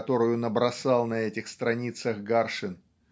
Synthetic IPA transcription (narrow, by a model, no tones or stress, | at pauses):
t̪o̞ɾʊjʊnəbɾɐsɑlˠnɐɛtʲɪxst̪ɾɐnʲit̪səɣɡarʂɨn